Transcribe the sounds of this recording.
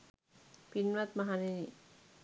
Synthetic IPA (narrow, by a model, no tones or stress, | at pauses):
pinʋat̪̚maɦanini